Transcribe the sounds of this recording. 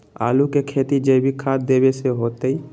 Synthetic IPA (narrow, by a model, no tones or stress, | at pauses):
a̰ːlukekʰeːt̪id͡ʒebʱikʰaːt̪̚d̪eːbeseɦoːt̪ei